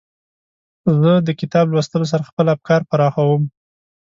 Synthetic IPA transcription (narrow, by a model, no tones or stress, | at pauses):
zəd̪əkɪt̪ɑblwəst̪əlos̬aɾaxpəlab̚kɑɾpaɾɑxawəm